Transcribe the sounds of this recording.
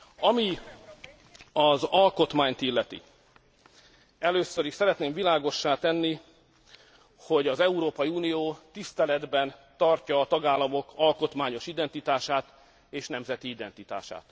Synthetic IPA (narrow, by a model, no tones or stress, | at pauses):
ɒmi | ɒzɒlko̞t̪maːɲt̪ilːɛt̪ḭ | ɛløːsːøɾiʃsɛɾɛt̪neːmvilaːɡo̞ʃːaːt̪ɛnːi | ho̞ɟɒzɛuɾoːpɒjiuːnijoːt̪ist̪ɛlɛd̪bɛnt̪ɒrcɒːt̪ɒɡaːlːɒmo̞kʰɒlko̞t̪maːɲo̞ʃid̪ɛnt̪it̪aːʃaːt̪ | eːʃnɛmzɛt̪iid̪ɛnt̪it̪a̰ːʃa̰ːt̪